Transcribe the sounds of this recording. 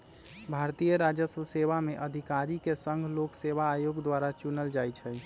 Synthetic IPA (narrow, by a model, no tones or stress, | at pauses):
bʱaɾt̪ijəɾad͡ʒəsəseʋameʔəd̪ʱikaɾikesəŋɡʱlokseβaːjoɡd̪ʋaɾat͡ʃunəld͡ʒajt͡ʃʰɛ